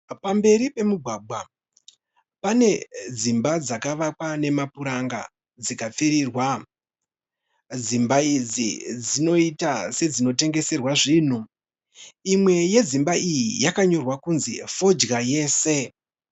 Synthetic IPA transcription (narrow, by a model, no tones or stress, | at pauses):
pambe̞ɾipe̞muɡʱwaːɡ͡bʱwa | pane̞d͡zimbad͡zakaʋakwane̞mapuɾaŋɡa̰ | d͡zikap͡fiɾiːrwa | d͡zimbaid͡zḭd͡zino̞itase̞d͡zino̞te̞ŋɡe̞se̞rwaʐiːn̤u | imwe̞je̞zimbaʔijijakaɲo̞rwakunzifo̞d͡ʒɡaje̞ːse̞